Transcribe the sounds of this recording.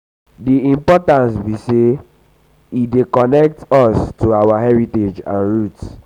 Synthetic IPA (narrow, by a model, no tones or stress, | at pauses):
diĩmpɔtãnsbise | idekɔnɛk̚tɔstoawahɛɹited͡ʒã̰nɹut